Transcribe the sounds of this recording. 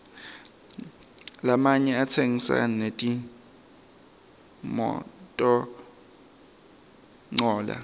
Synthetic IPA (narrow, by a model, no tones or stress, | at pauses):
lamaɲɛatʰeŋisa̰netʼi | mɔ̰tʼɔ | ŋ͡ǀɔːla̰